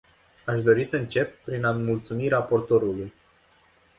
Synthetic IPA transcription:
aʃd̪o̞ɾisəɨnt͡ʃe̞p̚ːɾinamult̪sumiɾapo̞rt̪o̞ɾuluj

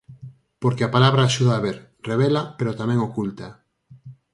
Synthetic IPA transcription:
poɾkeapalaβɾaːʃuðaːβeɾ | reβ̞elapeɾot̪amɛ̃ŋokult̪a

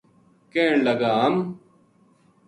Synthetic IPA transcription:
kẽːɳlɐɡaːm

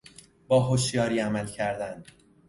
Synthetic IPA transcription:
bɒːɦoʃjɒːɾiːæmælcʰæɾd̪ænd̪

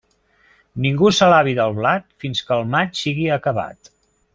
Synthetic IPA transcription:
niŋɡusəlaβiðəlˠβlat̪finskəlˠmat͡ʃsiɣiəkəβa̰t̪

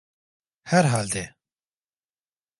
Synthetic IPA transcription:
hɛɾɦaːld̪e

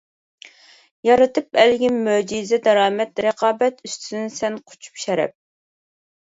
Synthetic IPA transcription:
jɑɾɨt̪ʰɨp̚ɛlɡʲinːød͡ʒizɛd̪ɑɾɑːmɛt̪ɾəqʰɑːbɛt̪yst̪ʰynnsɛnqʰo̥t͡ʃʰu̥pʃɛɾɛ̰p̚

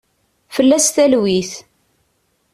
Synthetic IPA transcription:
fəlːæsθælwiθ

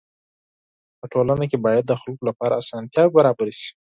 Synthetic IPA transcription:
pəʈʰolanakebɑjad̪ːəxalkolapɑɾa̰ːsɑnt̪jɑbaɾɑbaɾiʃi̥

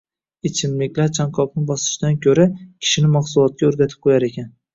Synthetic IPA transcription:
et͡ʃʰɪmlɪkʲlaɾt͡ʃʰaŋqʰɒpnɪbɒsɪ̥ʃd̪ankʲʰɵɾakʲʰɪ̥ʃɪnɪmaχsʊlˠɒt̪̚kʲaɵɾɡʲat̪ʰɪ̥p̚qʰojaɾe̞kʲan

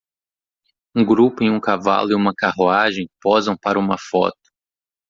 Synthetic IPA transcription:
ũɡɾupʊẽj̃ũkava̰lʊɪũmɐkahuaʒẽj̃pɔzɐ̃w̃paɾɐũmɐfɔ̰t̪ʊ̥

